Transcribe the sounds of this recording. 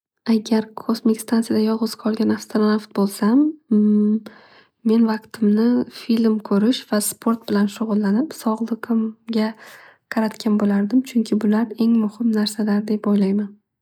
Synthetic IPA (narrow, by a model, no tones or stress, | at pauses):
aɡʲaɾkʰosmɪkʲst̪ʰant̪ijad̪ajɒlʁʊz̥qʰɒlˠɡʲanafst̪oɾanaft̪̚bolˠsam | e̞nvɑqt̪ʰɪmnɪfilmkʰɵɾɪʃvaspʰo̞ɾt̪̚bɪlanʃʊʁʊlˠːanɪpsɒʁlˠɨqʰɨmɡʲa | qʰɑɾat̪kʲʰanbolaɾd̪ɪmt͡ʃʰʊŋkʲʰɪbʊlaɾe̞ŋmʊhɪmnaɾsalaɾd̪e̞pojlajman